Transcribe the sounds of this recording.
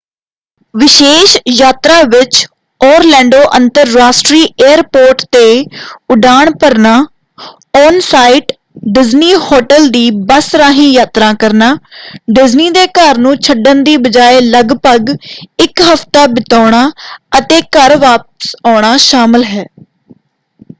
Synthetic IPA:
ʋɪʃeːʃjaːt̪ɾaːʋɪt͡ʃ | ɔːɾlɛ̃ːɳɖoːʔə̃nt̪əɾːaːsʈɾiːʔeːəɾpoːɾʈt̪eːʊɖaːɳpəɾnaː | ɔːnsaːiʈ | ɖɪzniːhɔːʈəld̪iːbəsɾaːɦĩːjaːt̪ɾãːkəɾnaːɖɪzniːd̪eːkəɾnũːt͡ʃʰəɖənd̪iːbəd͡ʒaːeːləɡpəɡɪkɦəft̪aːbɪt̪aːɳ̃aːət̪eːkəɾʋaːp̚əsaːɳ̃aːʃaːmɪlɦɛː

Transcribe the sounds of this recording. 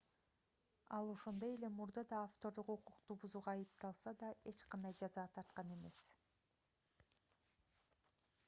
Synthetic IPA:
ɑlˠo̞ʃond̪o̞je̞le̞muɾd̪ɑd̪ɑːft̪o̞ɾd̪uququqt̪ubuzuːʁɑːjɯp̚t̪ɑlˠsɑd̪ɑe̞t͡ʃqɑnd̪ɑjd͡ʒɑzɑːt̪ʰɑɾt̪̚qɑne̞me̞s

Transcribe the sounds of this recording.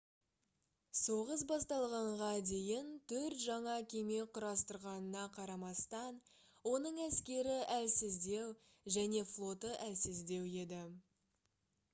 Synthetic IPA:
soʁəs̬bɑst̪ɑlˠʁɑɴʁɑd̪e̞jɪnt̪ʰɵɾt̪ʒɑɴɑkʲʰe̞me̞qʰʊɾɑst̪əɾʁɑnənɑqʰɑɾɑmɑst̪ɑn | wo̞nəɴæskʲe̞ɾɪʔælsɪzd̪e̞w | ʒæne̞flˠo̞t̪əʔælsɪzd̪e̞we̞d̪ɪ

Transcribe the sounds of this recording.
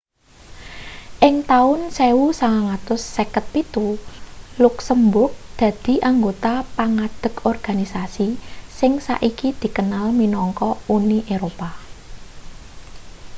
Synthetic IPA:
ʔɪŋt̪aʊnseusaŋaŋat̪ʊsːekət̪̚pit̪u | luksəmbʊrk̚d̪̥ä̤d̪̥i̤ʔaŋɡot̪apaŋad̪̥ə̤kʰɔrɡ̥a̤nisasisɪŋsa̰ʔikid̪̥i̤kənalminɔŋkɔuniʔeɾopa

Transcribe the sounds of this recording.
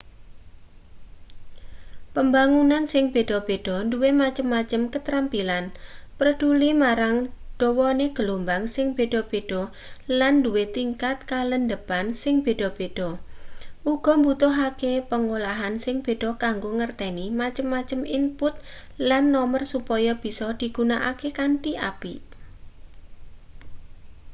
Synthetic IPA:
pəmbaŋunansɪŋb̥e̤ɖ̥ɔb̥eɖ̥ɔ̤nduwemat͡ʃəmːat͡ʃəmkət̪ɾampilanpərɖ̥ulimaɾaŋɖ̥ɔwɔneɡ̥əlombaŋsɪŋb̥eɖ̥ɔb̥eɖ̥ɔ | landuwet̪iŋkat̪̚kalənd̪əpansɪŋb̥e̤ɖ̥ɔb̥eɖ̥ɔ | ʔuɡ̥ɔ̤mbut̪ʊɦakepəŋolaɦansɪŋb̥e̤ɖ̥ɔ̤kaŋɡoŋərt̪ɛnimat͡ʃəmːat͡ʃəmimpʊt̪̚ | lanːɔmərsupɔjɔb̥i̤sɔd̪̥i̤ɡ̥unaʔa̰kekaɳʈiʔapi

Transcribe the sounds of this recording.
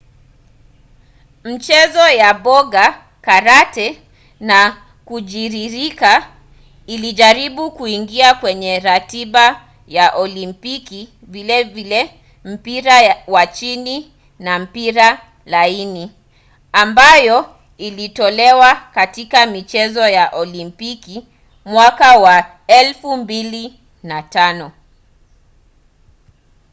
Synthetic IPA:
m̩t͡ʃɛzɔjaɓɔɡa | kaɾatɛ | na | kuʄiɾiɾika | iliʄaɾiɓukuiŋɡiakwɛɲɛɾatiɓa | jaʔɔlimpiki | vilɛvilɛ | m̩piɾawat͡ʃini | nam̩piɾa | laini | ambajɔ | ilitɔlɛwakatikamit͡ʃɛzɔjaʔɔlimpiki | mwakawa | ɛlfumbili | natanɔ

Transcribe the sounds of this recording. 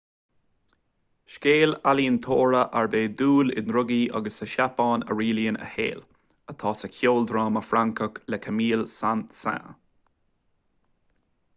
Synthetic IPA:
ʃkeːlaliːənt̪ʰoːɹəʔaɹbeːd̪uːlɪ̰dnɾʊɡiʔa̰ɡəsəʃapɑːnə̰ɹiːliənə̰hḛːl | ət̪ʰɑːsəkʰjoːld̪ɾɑːməfɾaŋkəklɛkʰəmiːlsant̪sa̰

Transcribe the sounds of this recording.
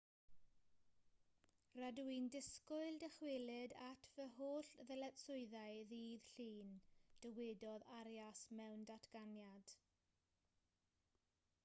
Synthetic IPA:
raduindɪskʊɨlˠdəχwɪlɨdatʰvəɦoːɬðɛlɛtsʊɨðaɨðiːðɬiːnd̥əwɪdɔðaɾjasmɛwndatʰɡ̥anjad̥

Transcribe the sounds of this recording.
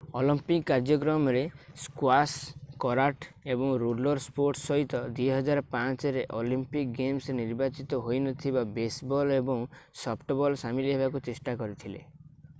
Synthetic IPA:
ɔlimpikːaɾd͡ʒɔkɾɔmɔɾeskwaskɔɾaʈebɔŋɾulɔɾspoɾʈsɔɦit̪ɔd̪wiɦɔd͡ʒaɾɔpãt͡ʃɔɾeʔɔlimpik̚ɡemsniɾbat͡ʃit̪ɔɦojnɔt̪ʰibabesbɔlebɔŋsɔpʈɔbɔlsamiliɦebakut͡ʃesʈakɔɾit̪ʰilḛ

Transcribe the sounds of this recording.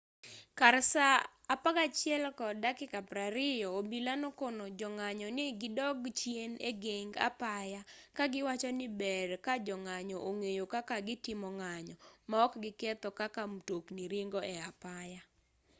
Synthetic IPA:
karsaː | paɡat͡ʃɪɛlkɔdakɪkapɾaɾɪjɔobilanokonod͡ʒɔŋaɲɔnɪɡɪdɔɡt͡ʃjeneɡeŋɡa̰pajakaɡɪwat͡ʃɔnɪbɛrkad͡ʒɔŋaɲɔʔoŋejokakaɡɪtɪmɔŋaɲɔmaɔkɡɪkɛt̪ɔkakamtoknɪɾɪŋɡɔɛapaja

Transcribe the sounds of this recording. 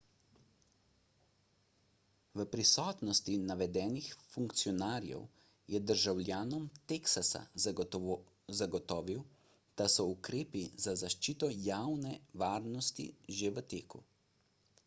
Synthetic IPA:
ʋəpɾisɔːt̪nɔst̪inaʋɛd̪ɛːnixfuŋkt̪siɔnaːɾjɛ̰w | jɛd̪əɾʒawlʲjaːnɔmt̪eksasa̰ | zaɡɔt̪ɔːʋiw | d̪̥asɔukɾeːpizazaʃt͡ʃiːt̪ɔjaːwnɛʋaːɾnɔst̪ḭʒeʋət̪eːkṵ

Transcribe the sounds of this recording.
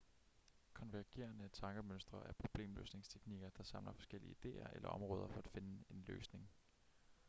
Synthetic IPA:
kʰɒ̽nʋæɐɡ̥e̝̰ːɐnət͡sʰɑ̈ŋɡ̥əmønsd̥ʁɐʔæɐpʰʁo̝b̥le̝̰ːmlø̰ːsne̝ŋst͡sʰe̥ɡ̥niɡ̥ɐd̥ɑ̈sɑ̈mlɐfɒ̽sɡ̥el̰iəid̥e̝̰ːɐʔelɐ̰ʔɒ̽mʁɔ̽ːð̞ˠɐfɒ̽æd̥fe̝nəe̝nlø̰ːsne̝ŋ

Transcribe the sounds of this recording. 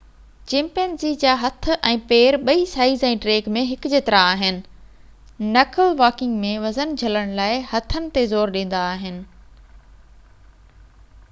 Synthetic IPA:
d͡ʑɪ̃mpeːnzid͡ʑaːɦɐt̪ʰʊ̆ʔɛ̃ːpeːɾɓɐisaːizɛ̃ːɖɾeːɡmẽɦɪkd͡ʑeːt̪ɪɾaaːɦɪnɪ̆ | nɐkəlʋaːkɪ̃ŋɡmẽʋɐzənd͡ʑʱɐləɽ̃laːɪhɐt̪ʰənɪ̆t̪ezoːɾɗĩːn̆d̪aːɦɪnɪ̆

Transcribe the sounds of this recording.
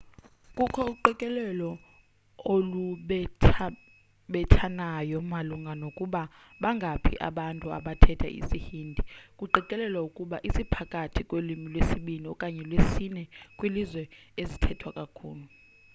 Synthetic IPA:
kʼukʰɔuǃɛkʼɛlɛlɔ | oluɓʰ | ɓɛtʰanajɔmaluŋɡʱanokʼuɓa | ɓaŋɡʱapʰḭʔa̰ɓantʼua̰ɓatʰɛtʰa̰ʔḭsihiːndʱikʼuǃiǃʼɛlɛlwaukʼuɓaʔisipʰakʼatʰikʼwelimilwesiɓiniɔkʼaɲɛlwesinɛkʼwilizwɛezitʰɛtʰwakʼakʰṵːlu

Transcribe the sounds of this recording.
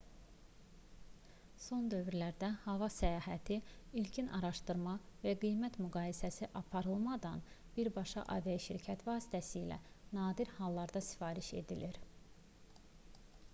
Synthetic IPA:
so̞nd̪ø̞vyɾlæɾd̪æhɑvɑsæjɑːɦæt̪ʰiilcʰinʔɑɾɑʃt̪ɯɾmɑvæɡijmæt̪myɡɑːjisæsiʔɑpʰɑɾɯlˠmɑd̪ɑn | b̥iɾbɑʃɑ̰ʔɑ̰vijɑʃiɾcʰæt̪vɑːsi̥t̪ʰæsiːlæ̰ | nɑːd̪iɾhɑlˠːɑɾd̪ɑsi̥fɑːɾiʃe̞̰d̪iliɾ

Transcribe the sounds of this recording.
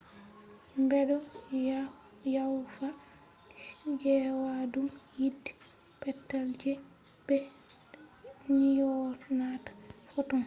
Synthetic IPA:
mbɛɗɔ | jawfa | d͡ʒɛwadumjidi̥ | pɛtːald͡ʒɛ | b̥ɛ | nijɔɾnatḁfɔtɔn

